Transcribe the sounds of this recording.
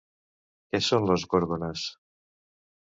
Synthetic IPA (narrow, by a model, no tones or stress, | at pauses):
kesonlozɣoɾɣones